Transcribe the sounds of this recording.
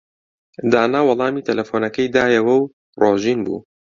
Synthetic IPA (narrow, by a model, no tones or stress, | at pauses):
d̪aːnaːwɑlˠɑːmiːt̪ʰɐlɐfoːnɐkɐjd̪aːjɐwɐw | roːʒiːnbṵː